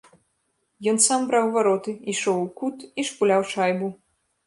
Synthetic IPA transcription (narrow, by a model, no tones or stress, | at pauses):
jɔnsambɾawvaɾɔt̪ɨiʂɔwukut̪iʂpulʲawt͡ʂajbu